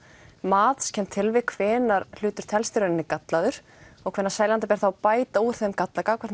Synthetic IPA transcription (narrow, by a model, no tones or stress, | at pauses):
maːt̪scʰɛmt̪ʰɪlvɪ̥kʰvɛːnaɾl̥ʏːt̪ʏɾ̥t̪ʰɛlst̪ɪɾʏnɪnːɪkat̪laðʏɾ̥ | ɔɣkʰvɛnːaɾsaːjlant̪apɛːɾ̥θawapaːjt̪auɾ̥θemkat̪lakaːkʰvɛɾ̥t̪